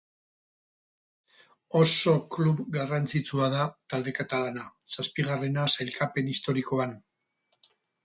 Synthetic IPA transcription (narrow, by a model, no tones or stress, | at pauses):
o̞so̞kluβɡarant͡sit͡suaðat̪ald̪ekat̪alanasaspiɣ̞are̞nasajlkape̞nist̪o̞ɾiko̞an